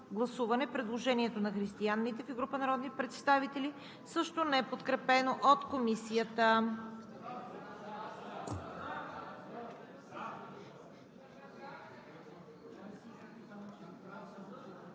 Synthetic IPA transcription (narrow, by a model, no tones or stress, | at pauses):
ɡlˠɐsuvɐnɛpɾɛd̪lˠoʒɛniɛt̪onɐxɾist̪ianːit̪ɛfiɡɾupənɐɾɔd̪nipɾɛt̪st̪avit̪ɛli | sɤʃt̪onɛɛpot̪kɾɛpɛnoʔot̪komisijət̪ə